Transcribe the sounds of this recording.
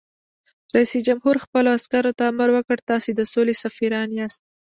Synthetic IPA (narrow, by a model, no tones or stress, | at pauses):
ɾaisid͡ʒamhuɾxpəloaskaɾot̪aːmaɾwəkəɽt̪ɑsed̪əsolesafiɾɑnjeɑst̪̚